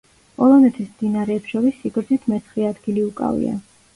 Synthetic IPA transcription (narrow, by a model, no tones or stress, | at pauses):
pʼɔlˠɔnɛt̪ʰismd̪inaɾɛːpʃɔɾisːiɡɾd̪zit̪ʰmɛt̪sʰχiad̪ɡiliukʼa̰vḭa̰